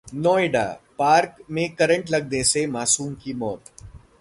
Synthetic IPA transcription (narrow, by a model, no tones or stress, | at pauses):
nɔːeɖa̰ːpaːɾkmẽkɐɾə̃ɳʈlɐɡnesemaːsuːmkimɔːt̪